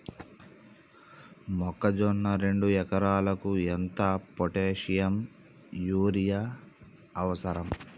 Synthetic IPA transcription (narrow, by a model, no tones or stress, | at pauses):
mɔkːɐd͡ʒɔɳːɐɾe̞ɳɖujɛkɐɾaːlɐkuent̪ɐpoʈeːʂijɐm | juːɾijaː | ʋɐsɐɾɐm